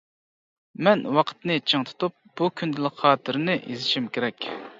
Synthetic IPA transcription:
mɛnwɑqʰə̥t̪nɨt͡ʃʰəŋt̪ʰɨ̥t̪ʰup̚b̥ukʲʰynd̪ɪləqχɑːt̪ʰɨɾnɪʔḛzɪʃimkʲʰeɾɛkʲ

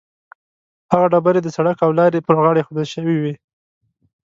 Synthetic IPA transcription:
haɣaɖabaɾed̪əsaɽakawlɑɾepəɾɣɑɽexod̪əlʃəwiwi

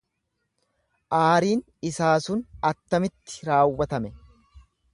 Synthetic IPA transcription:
ʔaːɾiːn | ɪsaːsʊnɐt̪ːɐmɪt̪ːɪ̥ɾaːwːɐt̪ɐmɛ

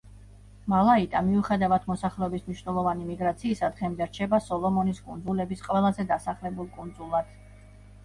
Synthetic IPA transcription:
malˠait̪ʼamiuχɛd̪avad̪ʰmɔsaχlɛɔbismniʃnɛlˠɔvanimiɡɾat̪sʰiːsad̪ʁɛmd̪ɛɾt͡ʃʰɛbasɔlˠɔmɔniskʼund̪zulɛbisqʼwɛlˠazɛd̪asaχlɛbulˠkʼund̪zulˠad̪̥

